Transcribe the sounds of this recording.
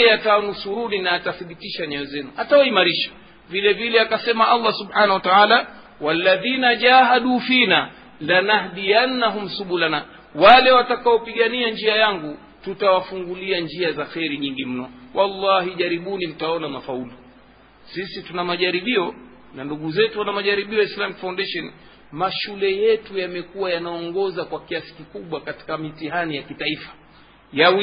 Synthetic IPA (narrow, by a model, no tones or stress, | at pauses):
ɛatawanusuɾuninaːtaθiɓitiʃaɲɛɛzɛnuatawaimaɾiʃḁ | vilɛvilɛakasɛmaʔalˤːasuɓħaːnahwataaːla | walːaðiːnaʄaːɦaɗuːfina | lanahɗijanːaɦum̩suɓulana | walɛwatakaɔpiɠaniaɲd͡ʒiajaŋɡu | tutawafuŋɡuliaɲd͡ʒiazaxɛɾiɲiŋɡim̩nɔwʔalːɑɦiʄaɾiɓunim̩taɔnamafaulu | sisitunamaʄaɾiɓiɔ | nanduɠuzɛtuwanamaʄaɾiɓiɔjaislamikfawndɛʃɔn | maʃulɛjɛtujamɛkuwajanaɔŋɡɔzakwakiasi̥kikuɓwakati̥kamitiɦanijakitaifḁ | jawi